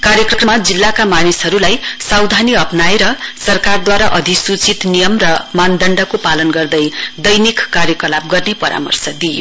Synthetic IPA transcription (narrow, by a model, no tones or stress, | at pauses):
kaɾjʌkrʌkrʌmad͡zilːakamanisɦʌɾulajsawd̪ʱaniʌpnajɾʌsʌrkard̪waɾaʔʌd̪ʱisut͡sit̪nijʌmrʌmand̪ʌɳɖʌkopalʌnɡʌrd̪ʌjd̪ʌjnikːarjʌkʌlab̚ɡʌrnepʌɾa̰mʌ̰rsʌd̪ijo̰